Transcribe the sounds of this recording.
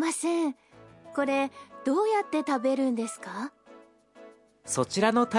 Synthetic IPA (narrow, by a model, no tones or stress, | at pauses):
masẽŋ | ko̞ɾe̞d̪̥o̞ːjat̪ːe̞t̪abe̞ɾɯ̟̃nd̪e̞sɨ̥ka | so̞t͡ɕiɾano̞t̪a